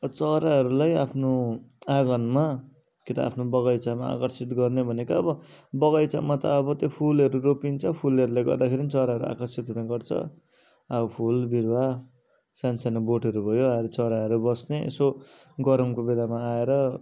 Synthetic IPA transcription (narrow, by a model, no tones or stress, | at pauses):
t͡sʌɾaɦʌɾulajapʰnoaɡʌnma | kit̪aa̰pʰnobʌɣʌjt͡samaa̰kʌrsit̪ɡʌrnebʱʌnekaʌbʌbʌɣʌjt͡sa̰mat̪ʌ̰ːbʌt̪jopʰulʌɾuɾopint͡sʰʌpʰulʌɾulajɡʌ̰rd̪akʰeɾinit͡sʌɾaɦʌɾua̰kʌrsit̪ɦunaɡʌrt͡sʰʌ̰ | aupʰulbiɾwa | sansanʌboʈʌɾubʱʌjoaɾet͡sʌɾaɦʌɾubʌsneʔḛso | ɡʌɾʌmkobed̪amaːeɾʌ